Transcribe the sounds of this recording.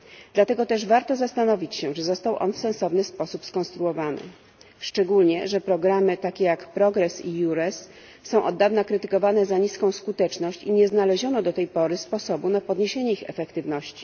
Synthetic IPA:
d̪̥lat̪ɛɡɔt̪ɛʐvaɾt̪ɔzast̪anɔvʲit͡ɕɕɛʐɛzɔst̪awʔɔ̰nfsɛ̃ñsɔvnɘspɔsupskɔ̃st̪ɾuɔvanɘ̰ | ʂt͡ʂɛɡulɲɛʐɛpɾɔɡɾamɘt̪akʲejakpɾɔɡɾɛsijuɾɛsː | ɔ̃w̃ʔɔd̪ːavnakɾɘt̪ɘkɔvanɛzaɲiskɔ̃w̃skut̪ɛt͡ʂnɔɕt͡ɕiɲɛznalɛʑɔnɔd̪ɔt̪ɛjpɔɾɘspɔsɔbunapɔd̪ɲeɕeɲɛixɛ̰fɛkt̪ɘvnɔɕt͡ɕi̥

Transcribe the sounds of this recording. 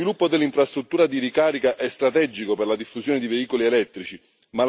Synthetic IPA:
ilupːod̪elːiɱfɾast̪ɾut̪ːuːɾad̪irikaːɾikaʔɛst̪ɾat̪ɛd͡ʒikoperlad̪ifːusjoːned̪iveiːkolielɛt̪ːɾit͡ʃi | mal

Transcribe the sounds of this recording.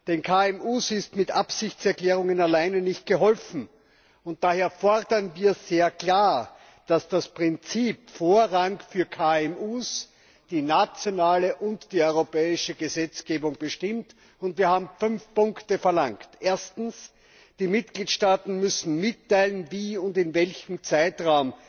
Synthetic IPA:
d̥ɛnkʰaːɛmuːsɪstmɪtʔapsɪçt͡sɛɐklɛːʁ̞ʊŋənalaɪnənɪçt̚ɡ̥əɦɔlfn̩ | ʊnt̚d̥aːheːɐfɔʁdɐnviːɐz̥eːɐkl̥aːɐ | d̥asd̥aspʁ̥ɪnt͡siːpfoːɐʁaŋfyːɐkʰaɛmuːs | d̥iːnat͡sjonaːləʔʊntd̥iːɔʏʁopɛːɪʃəɡəzɛt͡sɡ̥eːbʊŋb̥əʃtɪmt | ʊntv̥iːɐhaːbm̩fʏnfpʊ̃ŋktəfɛɐlaŋktʔeːɐstn̩s | d̥iːmɪt̚ɡ̥liːtʃtaːtn̩mʏsn̩mɪtʰːaɪlənviːʊndɪnvɛlçm̩t͡saɪtʁaʊm

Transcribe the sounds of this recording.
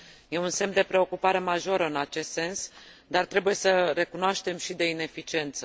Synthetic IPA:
je̞unse̞md̪e̞pɾe̞o̞kupaɾe̞maʒo̞ɾəɨnat͡ʃe̞st̪se̞ns | d̪art̪ɾe̞buje̞səɾe̞kunoaʃt̪e̞mʃid̪e̞ine̞fit͡ʃie̞nt̪sə

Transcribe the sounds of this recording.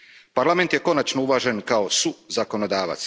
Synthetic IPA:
paɾlame̞nt̪je̞ko̞nat͡ʃnouʋaːʒe̞nkao̞suzako̞nod̪aːʋa̰t̪s

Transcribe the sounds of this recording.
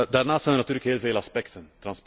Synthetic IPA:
daːrnaːstsɛjnərnɑt̪yːɾləkɦeːlˠveːlɑspɛktənt̪rɑnsp

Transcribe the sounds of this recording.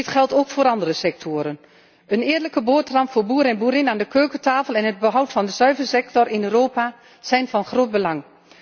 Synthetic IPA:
ɪtχɛlˠtowkfʊːɾɑndərəsɛk̚tʰʊːɾən | ənɪːdələkəboːtrɑmpfʊːɹbuːɾɛnbuːɾɪnaːndəkøːkətaːfəlˠɛnɦəd̚bəɦʌwtfɑndəz̥œɥvəɹsɛk̚tɔɹɪnøːɾoːpa | z̥ɛjnvɑnχroːt̚bəlɑŋ

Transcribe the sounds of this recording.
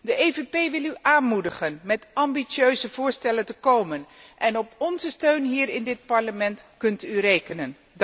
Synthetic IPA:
dəʔejvepejʋɪlˠyʔaːnmudəχənmɛtɑmbiøɥzəvʊːɹstɛləntəkowmənʔɛnɔpɔnzəstøɥnɦiːɾɪndɪt̚pɑɹləmɛntkɵntyrejkənən

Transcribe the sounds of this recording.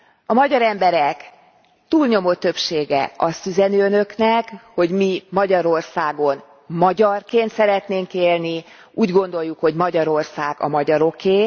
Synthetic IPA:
ɒmɒɟɒɾɛmbɛɾɛk | t̪uːlɲo̞mo̞t̪ːø̞pʃeːɡɛ̰ɒst̪yzɛnyːønø̞knɛkho̞ɟmimɒɟɒɾo̞rsaːɡo̞n | mɒɟɒrkeːnt̪sɛɾɛt̪neːŋkeːlni | ʔuːɟɡo̞nd̪o̞jːukho̞ɟmɒɟɒɾo̞rsaːɡɒ̰mɒɟɒɾo̞keː

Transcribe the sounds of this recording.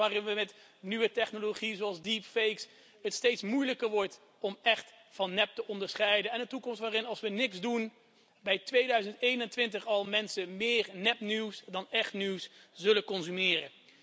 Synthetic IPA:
aːrɪnʋəmɛt | nyʋətɛχnoloχiəzoɑlˠsdipfejks | ətstejtsmujləkəɹʋɔɹt | ɔmɛχt | fɑnːɛp̚təʔɔndəɹsχɛjdənɛndətukɔmstʋaːrɪnɑlˠsʋənɪksdun | bɛjtʋejdœɥzəntejnəntʋɪntəχɑlˠmɛnsəmɪːɹnɛpniwsdɑnɛχtniwszɵləkɔnzymɪːrə̰

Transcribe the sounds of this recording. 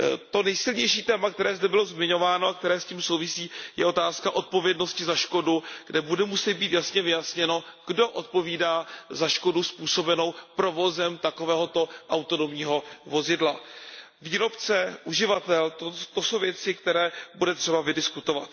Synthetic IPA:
t̪o̞nɛjsɪlɲɛjʃiːt̪ɛːmakt̪ɛɾɛːzdɛbɪlo̞zmɪɲo̞vaːnoak̚t̪ɛɾɛːsciːmso̞wvɪsiːjɛ̰ʔo̞t̪aːskaʔo̞t̪̚po̞vjɛdno̞scɪzaʃko̞duɡ̥dɛbudɛmusɛd̪̚biːt̪jasɲɛvɪjasɲɛno̞ɡ̥do̞ʔo̞t̪̚po̞viːdaːzaʃko̞duspuːso̞bɛno̞wpɾo̞vo̞zɛmt̪ako̞vɛːɦo̞t̪o̞ʔawt̪o̞nomɲiːɦo̞vo̞zɪdla | viːɾo̞pt͡sɛʔuʒɪvat̪ɛlt̪ot̪oso̞wvjɛt͡sɪkt̪ɛɾɛːbudɛt̪r̥ɛbavɪdɪskut̪o̞vat̪

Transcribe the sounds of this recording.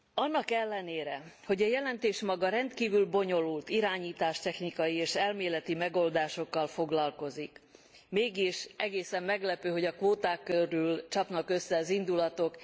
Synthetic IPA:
ɒnːɒkɛlːɛneːɾɛho̞ɟɒjɛlɛnt̪eːʃmɒɡɒɾɛnt̪kiːvylbo̞ɲo̞lult̪iɾaːɲiːt̪aːʃt̪ɛxnikɒjieːʃɛlmeːlɛt̪imɛɡo̞ld̪aːʃo̞kːɒlfo̞ɡlɒlko̞zik | meːɡiʃɛɡeːsɛmːɛɡlɛpøːɦo̞ɟɒkʋoːt̪aːkːøɾylt͡ʃɒpnɒkø̞sːɛɒzind̪ulɒt̪o̞k

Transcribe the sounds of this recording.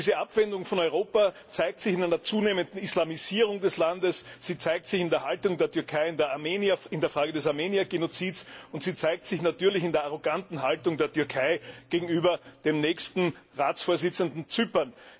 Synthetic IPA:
izəʔapv̥ɛndʊŋfɔnɔʏʁoːpa | t͡saɪk̚tsɪçɪnæɪnɐt͡suːneːməndn̩islamiziːʁ̞ʊŋdɛslandəsz̥iːt͡saɪk̚tsɪçɪndeɐhaltʊŋdeːɐtʰyɐkʰaɪɪndeɐameːniɐɪndeɐfʁaːɡədɛsaɐmeːniɐɡenot͡siːtsʊntz̥iːt͡saɪk̚tsɪçnatyːɐlɪçɪndeːɐaʁoɡantn̩ɦaltʊŋdeːɐtyɐkʰaɪɡ̥eːɡŋ̩yːbɐd̥eːmnɛːçstn̩ʁaːt͡sfoːɐzɪt͡səndn̩t͡sypɐn

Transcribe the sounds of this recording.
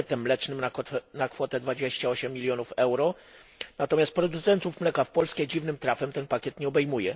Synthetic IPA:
ɛt̪ɛmːlɛt͡ʂnɘmnaɔt̪ɛnakfɔt̪ɛd̪vad͡ʑeɕt͡ɕaɔɕɛmːʲilʲjɔnufɛwɾɔ | nat̪ɔmʲjast̪pɾɔd̪ut̪sɛnt̪ufmlɛkafpɔlskʲɛd͡ʑivnɘmt̪ɾafɛmt̪ɛnpakʲɛt̪ɲɛɔbɛjmujɛ

